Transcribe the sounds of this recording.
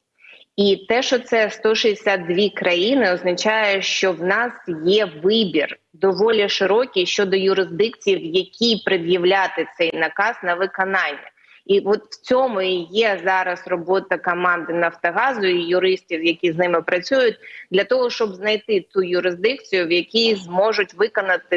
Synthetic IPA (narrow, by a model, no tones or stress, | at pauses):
it̪ɛʃt͡ʃɔt̪sɛst̪ɔʃiɪsʲad̪̚d̪ʲʋʲikɾɐjinɪɔznɐt͡ʃɑjɛʃt͡ʃɔwnɑsjɛʋɪbʲir | d̪ɔʋɔlʲiʃɪɾɔkʲijʃt͡ʃɔd̪ɔjʊɾɪzd̪ɪkt͡sʲijiwjɐkʲʰipɾɪd̪jiwlʲat̪ɪt̪sɛjnɐkɑz̥nɐʋɪkɔnɑnʲːɐ̰ | iʋɔt̪wt͡sʲɔmʊijɛzɑɾɐsrɔbɔt̪ɐkɔmɑnd̪ɪnɐft̪ɐɦɑzʊijʊɾɪsʲtʲiwjɐkʲiznɪmɪpɾɐt͡sʲujʊt̚ʲd̪lʲɐt̪ɔɦɔʃt͡ʃɔbznɐjt̪ɪt̪ujʊɾɪzd̪ɪk̚t͡sʲijʊwjɐkʲijzmɔʒʊtʲʋɪkɔnɐt̪ɪ